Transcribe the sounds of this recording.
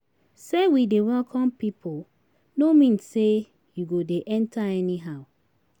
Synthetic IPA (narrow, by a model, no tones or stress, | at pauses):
sewidewɛlkʰɔ̃mpipʰo | nomĩnsse | juɡodeʔɛ̃ntʰaɛniɦaʊ